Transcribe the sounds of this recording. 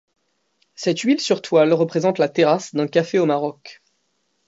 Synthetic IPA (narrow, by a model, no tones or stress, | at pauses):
sɛt̪ɥilsyʁt̪walʁəpχezɑ̃t̪lat̪eʁasd̪ɛ̃kafeomaʁɔk